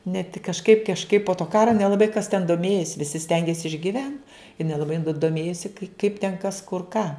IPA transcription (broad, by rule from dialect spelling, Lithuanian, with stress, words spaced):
nʲɛ tʲɪk kɐʃˈkɐɪp kɐʃˈkɐɪp poː toː ˈkɑːrɐ nʲɛlˠɐˈbɐɪ kɐs tʲɛn doːˈmʲeːjɪs ʋʲɪsʲɪ ˈsʲtʲɛŋʲɡʲeːs ɪʒʲɡʲɪˈʋʲɛnt ɪ nʲɛlˠɐˈbɐɪ dʊ doːˈmʲeːjoːsʲɪ kɐɪ kɐɪp tʲɛn ˈkɐs kʊr ˈkɑː